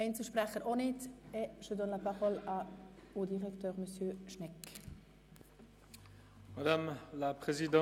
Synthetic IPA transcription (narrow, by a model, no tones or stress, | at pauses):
ɛɪnt͡səʃpʁɛχəɾonɪtɛʃød̪ɔnlapaʁɔlɑud̪iʁɛktøːʁməsjøʃnɛk | mad̪amlapχezid̪ɑ̃